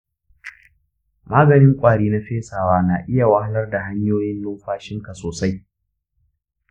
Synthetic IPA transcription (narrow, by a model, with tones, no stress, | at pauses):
maː˦ɡɐ˨nɪ˦ŋkʷʼaː˨ɽiː˦na˦ɸeː˦saː˨waː˦naː˨ʔɪ˦ja˨wa˦ha˦lɐ˦rda˨ɦa˦ɲjoː˦jɪ˦nloː˦ɸaː˦ʃɪ˦ŋka˨soː˨sa˦j